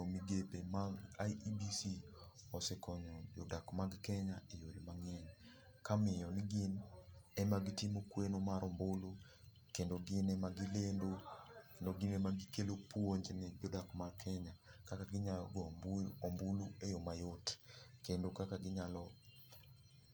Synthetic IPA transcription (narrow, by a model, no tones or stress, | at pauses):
ɔmiɡepemaŋajibisi | ɔsɛkɔɲɔd͡ʒɔdakmaɡkɛɲaejoɾimaŋɛn | kamɪjɔnɪɡɪnɛmaɡitimokwenomaɾɔmbolo | kendoɡɪnɛmaɡilendokendoɡɪnɛmaɡikelopwoɲd͡ʒenɛd͡ʒɔdakmarkʰɛɲakakaɡɪɲalɔ̰ɡɔmbɔmboluɛjɔmajotkendokakaɡɪɲalɔ